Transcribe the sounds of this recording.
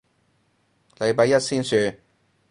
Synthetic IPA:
le˨˧jpɐ˧jɐ˥t̚siː˥nsyː˧

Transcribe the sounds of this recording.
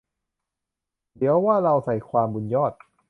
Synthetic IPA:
d̪i˨˦ɐwwaː˥˩ɾa˧wsa˨˩jkʰwaː˧mbu˧njɔː˥˩t̪̚

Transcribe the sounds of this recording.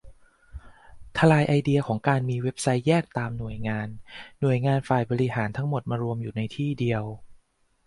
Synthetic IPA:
t̪ʰa˧laː˧jʔa˧jdi˧ɐkʰɔː˩˦ŋkaː˧nmiː˧we˦˥p̚sa˦˥jːɛː˥˩k̚t̪aː˧mnu˨˩əjŋaː˧nːu˨˩əjŋaː˧nfaː˨˩jbɔː˧ɾi˦˥ɦaː˩˦nt̪ʰa˦˥ŋmo˨˩t̪̚maː˧ɾu˧əmjuː˨˩na˧jt̪ʰiː˥˩di˧əw

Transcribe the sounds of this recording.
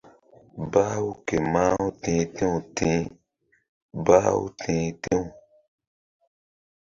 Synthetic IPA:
ba˦wu˦ke˨maː˦wu˦tẽː˨tẽ˦ũ˨tʰĩ˦ | baː˦wṵ˦tʰẽ˨˦tĩ˦u˨

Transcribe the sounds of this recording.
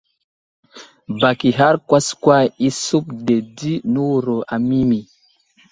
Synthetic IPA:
ba˨ki˨ɦa˦ɾkwa˦skwa˦i˦su˦pde˨di˦nu˦˨ɾɔ˨ʔa˨mi˦mi˨

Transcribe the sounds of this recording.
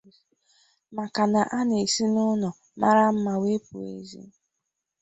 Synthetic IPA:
ma˨ka˨na˨ʔa˦ne˨si˦nʊ˦nɔ˨ | ma̰˦ɾa˦m̩˦ma˨we˦pu˨ḛ˨zḭ˦

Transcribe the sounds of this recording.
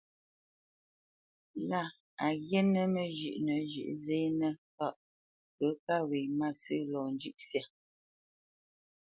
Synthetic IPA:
la˦˨ | a˨ɣɛ˦nə˦mə˨ʒʉ̰˨ʔnə˨ʒʉ̰˨ʔze˦nə˦fa˦˨ʔ | pə˨˦ka˦we˨ma˦˨sɨ˦lɔ˨nd͡ʒʉ˦ʔsja˨

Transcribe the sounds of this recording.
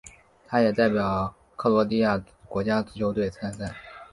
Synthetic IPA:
t̪ʰa˥jɛ˨˩t̪a˥˩ɪpjɑ˨˩ʊʊ | kʰɤ˥˩lwɔ˧˥t̪i˥˧ja˥˩ | kwɔ˧˥t͡ɕja˥t͡sɹ̩˥˩t͡ɕʰjo˧˥ʊt̪̬we˥˩ɪt͡sʰa˥nsa˥˩

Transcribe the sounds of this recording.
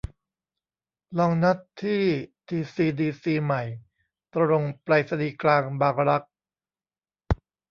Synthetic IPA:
lɔː˧ŋna˦˥tʰːiː˥˩t̪ʰiː˧siː˧diː˧siː˧ma˨˩j | t̪ɾo˧ŋpɾa˧jsa˧diː˧˩klaː˧ŋbaː˧ŋɾa˦˥k̚

